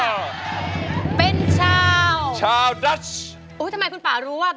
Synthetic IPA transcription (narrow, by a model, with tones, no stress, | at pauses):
pe˧nt͡ɕʰaː˧wt͡ɕʰaː˧wda˦˥t͡ʃ | ʔuː˦˥t̪ʰa˧ma˧jkʰu˧npaː˨˩ɾuː˦˥waː˥˩